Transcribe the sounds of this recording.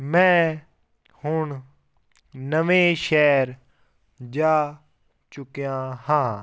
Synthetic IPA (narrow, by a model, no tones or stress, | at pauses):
mɛ̃ː | hʊɳ | nəʋẽːʃɛːɾ | d͡ʒaː | t͡ʃʊkjãhãː